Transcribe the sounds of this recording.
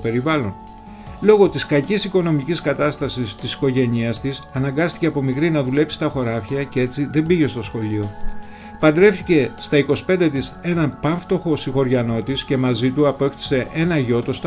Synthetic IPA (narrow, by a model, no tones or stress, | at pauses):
pe̞ɾivɐlo̞n | lo̞ɣo̞t̪iskɐcisiko̞no̞miciskɐt̪ɐst̪ɐsist̪isi̥ko̞ʝe̞niɐst̪isɐnɐŋɡɐst̪i̥ce̞ɐpomikɾinɐðule̞psi̥t̪ɐxo̞ɾɐfçɐcee̞t͡siðe̞mbiʝe̞st̪o̞sxo̞lio̞ | pɐnd̪ɾe̞fθice̞st̪ɐiko̞si̥pe̞nd̪e̞t̪ise̞nɐnpɐɱft̪o̞xo̞sixo̞ɾʝɐno̞t̪isce̞mɐzit̪uɐpoe̞kt̪i̥se̞ʔe̞nɐʝo̞t̪ost̪